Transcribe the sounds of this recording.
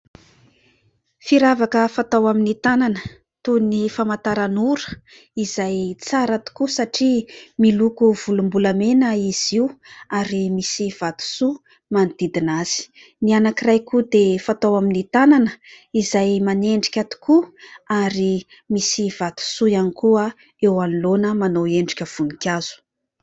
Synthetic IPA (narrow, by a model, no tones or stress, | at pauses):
fiɾavakəfat̪awaminit̪ananə | t̪unifamat̪aɾanuɾə̥ | iz̥ajt͡saɾat̪u̥kusaʈ͡ʂimilukuv̥ulumbulamenəiz̥iwaɾimisiv̥at̪u̥su | manid̪̥id̪inaz̥i̥ | nianakirajkud̪efat̪owaminit̪ananə | izajmaneɳɖ͡ʐi̥kʲat̪u̥kuaɾi | misiv̥at̪u̥sujanikuə | ewanilonəmanoweɳɖ͡ʐikʲəv̥unikʲaz̥u̥